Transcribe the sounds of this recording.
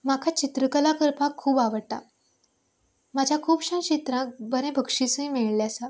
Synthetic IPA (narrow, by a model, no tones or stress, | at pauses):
makʰat͡ɕit̪ɾəkəlakəɾpakʰːuːbaʋəɽt̪a̰ | mad͡ʑʱjakʰuːbɕãnt͡ɕit̪ɾãkbʱəɾẽbʱəkʂisuĩmeɭljasa